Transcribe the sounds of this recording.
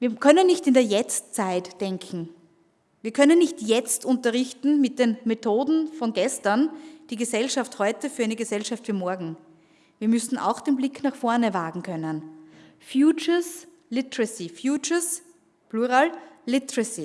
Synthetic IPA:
viːɐkʰœnənːɪçtɪndeːɐjɛt͡st͡saɪtd̥ɛŋkʰŋ̩ | viːɐkʰœnənːɪçtjɛt͡stʊntɐʁɪçtn̩mɪt̚d̥eːnmetʰoːdn̩fɔnɡɛstɐnd̥iːɡəzɛlʃafthɔʏtəfyɐɛɪnəɡəzɛlʃaftfiːɐmɔɐɡŋ̩ | viːɐmʏsn̩a̰ʊxd̥eːnblɪkʰnaχfɔɐnəvaːɡŋ̩kʰœnən | fjuːt͡ʃəs | lɪtəʁəsifjuːt͡ʃəs | pluːʁaːllɪtʁəsi

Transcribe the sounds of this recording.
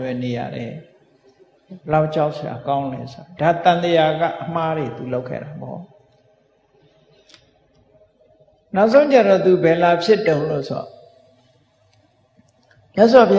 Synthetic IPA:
bɛneja̰ɾɛ̰ | laʊʔt͡ɕaʊʔsja̰kãʊ̃nɛ̰soadat̪ãnd̪əjaɡa̰ʔəmaɾet̪uloʊkʰːɛ̰ɾapɔ̰ | naʊʔs̬ʰõʊ̃t͡ɕaɾɔt̪ubɛlapʰjɪtːõʊ̃lo̰soɔ̰ | mjaʔs̬wapʰja

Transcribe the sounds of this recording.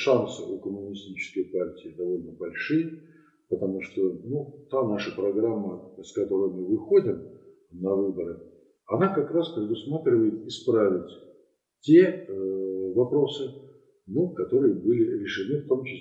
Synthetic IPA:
ʂansɨʔʊkəmʊnʲɪsʲtʲit͡ɕɪ̥skəjpartʲɪːd̪ɐvo̞lʲnəbɐlʲʂɨjə | pət̪ɐmuʂt̪onut̪anaʂəpɾɐɡramːəskɐt̪o̞ɾəjmɨvɨxo̞dʲɪm | nɐvɨbəɾɨ | ɐnakɐkɾaspɾʲɪd̪ʊsmat̪ɾʲɪvəjɪt̪ɪspɾavʲɪtʲ | tʲe̞ | vɐpɾo̞sɨ | nukɐt̪o̞ɾɨjəbɨlʲɪɾʲɪʂɨnɨft̪o̞mt͡ɕɪs

